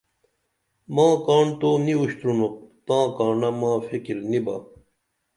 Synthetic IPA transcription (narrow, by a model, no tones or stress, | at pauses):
mãːkaːɳt̪oːniuɕt̪ɾunop̚t̪ãːkaːɳɐmãːfikiɾniba